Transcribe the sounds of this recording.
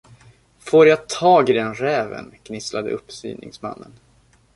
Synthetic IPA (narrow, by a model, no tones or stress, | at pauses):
foːɾjat̪ʰɑːɡɪd̪ɛnɾɛːvə̰nɡ̥nɪslad̪ə̰ʔɵpːsy̰ːnɪ̰ŋsma̰nːən